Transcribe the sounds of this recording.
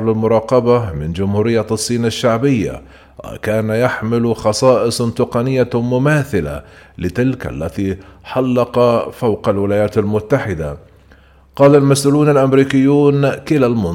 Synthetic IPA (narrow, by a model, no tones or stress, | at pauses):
lɪlmʊɾˤɑːqɑbamɪnd͡ʒʊmhuːɾɪjːasˤːiːnaʃːaʕbɪjːa̰ | wa̰kaːnajaħmɪlxɑsˤɑːʔɪsˤt̪ʊqɑnɪjːamʊmaːθɪla̰lɪt̪ɪlkʔa̰lːat̪iħɑlːɑqɑfawqalwɪlaːjaːt̪almʊt̪ːaħɪd̪a̰ | qɑːlalmasʔuːluːnalʔamɾiːkɪjːuːnkɪlalmʊ